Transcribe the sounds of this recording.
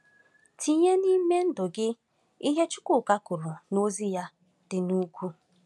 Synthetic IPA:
tʰi˦ɲe˦ni˦me˦n̩˦dʊ˨ɡɪ˦ | i˦ɦe˦t͡ʃʊ̥˦kʊ˦˨ka˦kʊ˨ɾʊ˨no˦zi˦ja˦ | d̥ɪ˨nu˦kʷu˦

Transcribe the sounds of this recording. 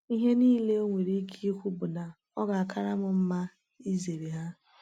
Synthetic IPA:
i˦ɦe˦niː˦le˦o˦ŋʷe˨ɾi˦kʰi˦i˦kʷu˦bʊ˨na˨ | ɔ˦ɡa˨a˨kʰa˦ɾa˦mʊ˨m̩˦ma˦ | i˦ze˨ɾe˨ɦa˦

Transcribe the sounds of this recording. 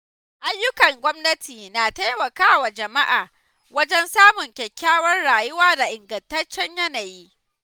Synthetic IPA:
ʔa˦jːʊ˦kɐ˨ŋɡʷɔ˦mnɐ˦tʰiː˨naː˨ta˦jmɐ˨kaː˦wa˨d͡ʒɐ˨ma˦ʔaː˨ | wɐ˦d͡ʒɛ˦nsaː˦mʊ˨ŋkʲɛ˨kʲʰːaː˦wɐ˦rɽaː˨jʊ˦waː˦da˨ʔɪ˨ŋɡɐ˨ntɐ˦t͡ʃːɛ˦ɲjɐ˦naː˨jiː˦

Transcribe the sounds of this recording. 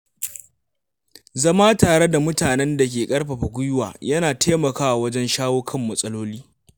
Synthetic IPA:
zɐ˦maː˦taː˨ɽe˦da˨mʊ˦taː˨nɛ˦nda˨k̬ʲeː˨kʼɐ˦rɸɐ˨ɸɐ˨ɡʷʊ˦jʊ˦wa̰ː˨jɐ˦naː˨tʰeː˦mɐ˨kaː˦ʔa˨wɐ˦d͡ʒɛ˦nʃaː˦woː˦kʰɐ˦mːɐ˨sʼɐ˦loː˦liː˦

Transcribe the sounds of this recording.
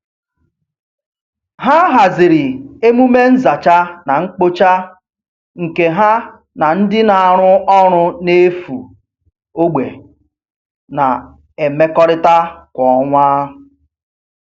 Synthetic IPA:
ɦa˦ɦa˨zɪ˨ɾɪ˨e˦mu˦me˦n̩˦za˨t͡ʃa˦na˨ŋ͡m̩˦k͡po˦t͡ʃa˦ | ŋ̩˨ke˨ɦa˦ | na˨n̩˦dɪ˦na˨a˨ɾʊ˦ɔ˦ɾ̃ʊ˦ne˦fu˨ | o˦ɡ͡be˨ | na˨ | e˨me˦kɔ˦ɾɪ˦ta˦kʷɔ˨ŋʷaː˦

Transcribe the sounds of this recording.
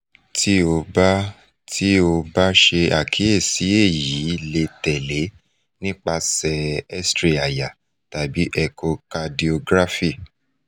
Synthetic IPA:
ti˦o˧ba˦ | tʰi˦o˧ba˦ʃe˧a˨kʰi˨˦e˦˨si˨˦e˦˨ji˨˦le˧tɛ˨le˨˦ | nĩ˦k͡pa˧sɛ˧ɛ˦stɾi˦a˨ja˨ | ta˨bi˨˦ʔɛ˧ko˧ka˧di˧o˧ɡɾa˦fi˦˨

